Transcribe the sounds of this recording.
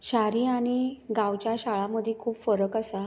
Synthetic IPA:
ɕaɾiːaɽ̃iɡãwt͡ɕjaɕaɭaməd̪ʱːikʰuːpfəɾəkasa

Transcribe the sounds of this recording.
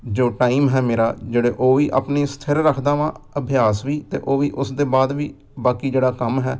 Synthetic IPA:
d͡ʒoːʈaːiːmɦɛːmeːɾaːd͡ʒeːɽeːʔoːʋiːʔa̰ːpneːst̪ʰəɾːəkʰd̪aːʋãː | əbʱɪjaːsʋiːt̪ḛːʔoːʋiːʔʊsd̪eːbaːd̪ʋiː | baːkiːd͡ʒeːɽaːkəmɦɛː

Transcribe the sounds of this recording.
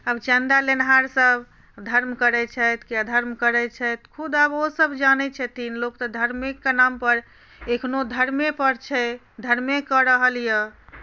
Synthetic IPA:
əbt͡ʃənd̪alenɦaɾsəbʱ | d̪ʱəɾmkəɾɛt͡ʃʰɛt̪keəd̪ʱəɾmkəɾɛt͡ʃʰɛt̪kʰud̪əbosəbd͡ʒanɛt͡ʃʰɛt̪ʰinlokt̪ɔd̪ʱəɾmikːenampəɾ | ekʰnod̪ʱəɾmepəɾt͡ʃʰɛ | d̪ʱəɾmekəɾəɦəlijə

